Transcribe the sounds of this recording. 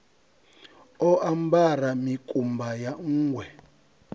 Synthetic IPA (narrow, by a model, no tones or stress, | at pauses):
ɔambaramikʼumbajaŋ̩ːɡwɛ